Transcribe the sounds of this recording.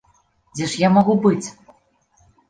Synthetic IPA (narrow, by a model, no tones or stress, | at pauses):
d͡zʲeʃjamɔɣubɨt͡sʲ